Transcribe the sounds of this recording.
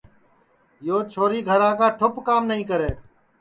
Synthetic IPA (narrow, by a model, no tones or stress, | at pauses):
joːt͡ʃʰoːɾiːɡʱəɾãːkaːʈʰʊpkaːmnəɦĩːk̬əɾeː